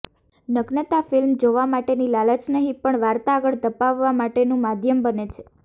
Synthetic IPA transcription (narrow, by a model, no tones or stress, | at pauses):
nəɡnət̪afɪlmd͡ʒoʋamaʈenilalət͡ʃnəɦĩpəɳʋaɾt̪aːɡəɭd̪əpaʋːamaʈenũmad̪ʱjəmbənet͡ʃʰe̥